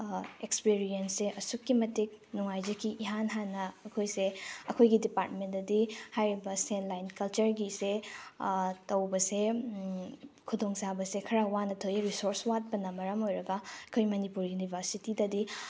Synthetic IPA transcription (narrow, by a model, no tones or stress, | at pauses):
ekspiɾienseʔɐsukːimɐtik̚nuŋajd͡ʒɐkːiʔiɦanɦanːɐːkʰojseɐkʰojɡidipaɾtmendɐdihajɾibɐsenlajnkɐlt͡ʃɐɾɡise | tɐwbɐse | kʰudoŋt͡ʃabɐsekʰɐɾawanɐtʰojɾisoɾswat̚bɐnɐmɐɾɐmojɾɐɡɐɐkʰojmɐnipuɾjunibʱɐɾsitidɐdi